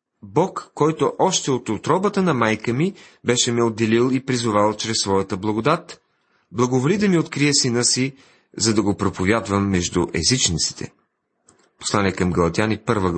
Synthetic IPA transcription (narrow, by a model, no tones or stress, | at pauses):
bɔkːɔjt̪oʔɔʃt̪ɛot̪ot̪ɾɔbət̪ənɐmajkəmibɛʃɛmɛod̪ːɛlilˠipɾizʊvalˠt͡ʃɾɛsːvɔjət̪əblˠɐɡod̪at̪ | blˠɐɡovolid̪ɐmiot̪kɾijɛsinəsi | zɐd̪ɐɡopɾopovʲjad̪vəmːɛʒd̪uʔɛzit͡ʃnit̪si̥t̪ʰɛ̰ | po̥slˠanɛkɐmɡɐlˠɐt̪ianipɤɾvə